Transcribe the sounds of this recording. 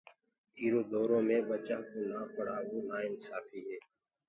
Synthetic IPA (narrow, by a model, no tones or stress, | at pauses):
iːɾoːd̪oːɾõːmẽːbət͡ʃãːkoːnaːpəɽ̤aːʋoːnaːɪnsaːfʰiːɦɛː